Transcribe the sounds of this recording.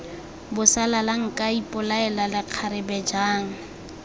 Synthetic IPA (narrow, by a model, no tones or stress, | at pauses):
bʊsalalaŋ̩kʼaipʼʊlaɛlalɪq͡χʰaɾɪbɛd͡ʒaːŋ̩